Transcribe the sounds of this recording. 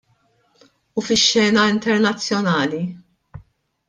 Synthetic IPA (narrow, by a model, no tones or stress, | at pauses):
ufɪʃːɛːnɐɪnt̪ɛɾnɐt͡sːjɔnɐːli